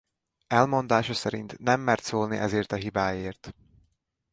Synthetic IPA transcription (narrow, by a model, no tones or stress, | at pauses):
ɛlmo̞nd̪aːʃɒsɛɾint̪nɛmːɛrt̪soːlniʔɛzeːrt̪ɒɦibaːjeːrt̪